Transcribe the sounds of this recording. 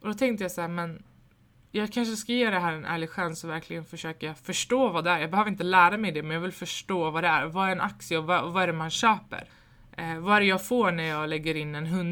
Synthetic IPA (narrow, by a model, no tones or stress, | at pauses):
ʔɔd̪ɔt̪ʰɛŋkt̪əjɑːsaæːɾmɛn | jɑːɡkʰanʂ̬əskajeːd̪ɛɦæːɾɛnʔæ̰ːɭɪɡɧansɔvæɾklɪɡənfœʂøːkafœʂʈoːvɑːd̪ɛæɾjɑːbɛhøːvɾɪnt̪əlæːɾamɛjd̪ɛmɛnjɑːɡvɪlfœʂʈoːvɑːd̪ɛæ̰ɾvaæɾɛna̰ksɪəɔvavaæɾɛmanɕøːpə̰ɾ | vaæɾɛjɑːɡfoːɾɳæɾjɑːɡlɛɡːəɾɪnːɛnɦɵn